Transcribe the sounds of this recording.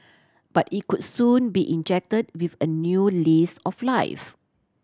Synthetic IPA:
b̥atit̚kut̚sũnbiʔĩnd͡ʒɛk̚təd̚wifənjulisɔflaɪf

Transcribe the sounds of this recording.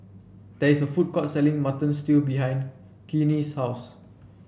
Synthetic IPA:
d̥ɛisəfut̚kɔt̚sɛlĩŋmatə̃nstilbiɦãj̃n | kinishaws

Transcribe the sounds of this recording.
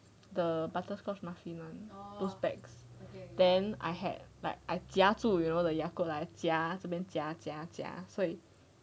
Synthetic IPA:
d̪əbatəskɔsmafinɔ̃ndosbɛ̰ksdɛ̃na̰jɦɛ̰d̚la̰ɪk̚ajtjatujunodəjakodaɛtjatubɛ̃ntjatata̰soi

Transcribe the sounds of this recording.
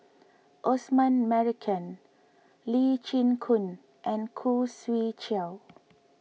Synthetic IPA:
ʔɔsmãnmɛɹikʰə̃n | lit͡ʃĩnkʰũn | ʔɛ̃nkʰuswit͡ʃɛl

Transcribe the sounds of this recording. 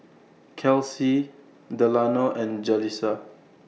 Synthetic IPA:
kʰɛlsi | dɛlanoʔɛ̃nd͡ʒɛlisa

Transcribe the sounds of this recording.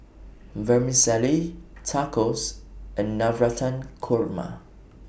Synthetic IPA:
vɛmisɛlitʰakɔsə̃nːavɹatʰãnkʰɔɹma̰

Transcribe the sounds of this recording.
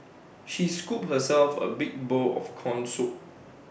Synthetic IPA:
ʃiskup̚həsɛlfə̰bɪk̚boɔ̰fkʰɔ̃nsu

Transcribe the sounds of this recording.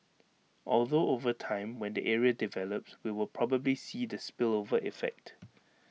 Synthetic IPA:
ʔɔlˠdoovətʰãɪ̃mwɛ̃ndiʔɛɹiədivɛləp̚swiwɪlpʰɹɔbəblisiːdəspɪlovəʔifɛ̰k̚t

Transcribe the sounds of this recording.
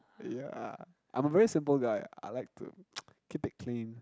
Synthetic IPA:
jæ̰ | ʔã̰ɪ̃məvɛɹisɪ̃mpəlˠɡaɪa̰ɪlaɪk̚tʰṵkʰipɪt̚kʰlĩn

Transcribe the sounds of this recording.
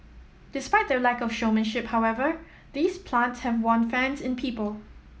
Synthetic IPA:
d̥ɪspaɪt̚d̪əlakɔfʃomə̃nʃɪphaʊɛvə | ðiːspʰlãntshɛvwɔ̃nfɛ̃nsɪ̃npʰiːpəlˠ

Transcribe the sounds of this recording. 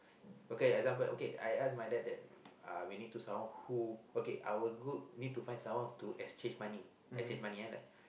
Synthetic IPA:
okedɛɡzãmpəlʔo̰kea̰jasmajdɛt̚dɛt̚a̰winid̚tusãwɔ̃nhuokeʔa̰wəɡud̚nid̚tufãj̃nsãmwɔ̃ntuʔɛst͡ʃẽnd͡ʒmãni | ɛst͡ʃẽnd͡ʒmãniãla

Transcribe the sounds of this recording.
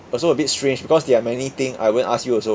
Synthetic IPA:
ɔsoəbitstɹẽnd͡ʒbikɔsdɛamɛnit̪ĩŋa̰jwudə̃naskjuɔso

